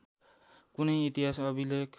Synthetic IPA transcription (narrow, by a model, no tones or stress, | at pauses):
kunʌjit̪iɦasʌbilek